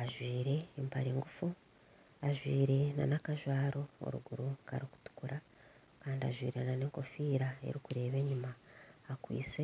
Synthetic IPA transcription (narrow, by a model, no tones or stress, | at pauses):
aʒwiːɾe̞ːmpaɾeːŋɡufu | aʒwiːɾe̞na̰nakaʒwaːɾo̞o̰ɾṵɡuɾuka̰ɾiku̥tu̥kuɾa | kaːndia̰ʒwḭːɾe̞nane̞ːŋko̞fiːɾae̞̰ɾikuɾe̞ːβe̞ːɲumaːkwḭːt͡se